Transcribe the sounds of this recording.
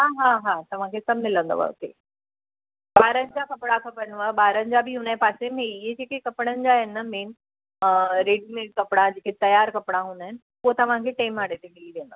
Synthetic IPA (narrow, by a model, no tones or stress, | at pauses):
ɦaːɦaːɦaːt̪ɐʋ̤ãkʰesɐbmɪlə̃nd̪o̰a̰ʊ̰t̪ḛː | baːɾənɪ̆d͡ʑakɐpɽakʰɐpəɾnuaːbaːɾənɪ̆d͡ʑabʱɪɦunaepaːsemẽɪɦed͡ʑeːkekɐpɽ̃ənɪ̆d͡ʑaɦɪnːɐmeːnɪ̆ | pːɾeːɖimẽːʈ̚kɐpɽ̃ad͡ʑeːket̪ɐjaːɾkɐpɽ̃aɦũːnd̪aɦɪnɪ̆ | poɦot̪ɐʋ̤ãkʰeʈaːɪmaːɽet̪eɡiliʋẽːnd̪a